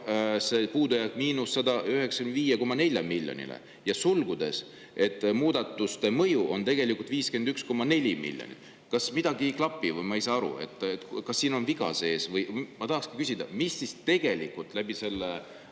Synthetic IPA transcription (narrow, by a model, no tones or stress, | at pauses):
se̞puːd̪ujɑkːmiːnusːɑd̪ɑʔyɦe̞ksɑ̥kynviːjeko̞mːɑne̞lʲjɑmilʲːjo̰nḭlḛ | jɑsulɡ̥ud̪e̞̰s | e̞t̪ːˑmuːd̪̥ɑt̪ːˑust̪e̞mɤ̞juʔo̞nt̪e̞ɡe̞likult̪viːske̞nd̪yksko̞mːɑne̞lʲimḭlʲjonḭ | kɑsmid̪̥ɑɡiklɑpːˑivɤjmɑejsɑɑɾṵe̞̰t̪ːˑet̪kɑsːiːno̞nviɡ̥ɑ̰se̞ːsvɤjmɑt̪ɑɦɑkskikysʲid̪̥ɑmisːist̪e̞ɡ̥e̞likult̪ˑlæb̥ise̞lːe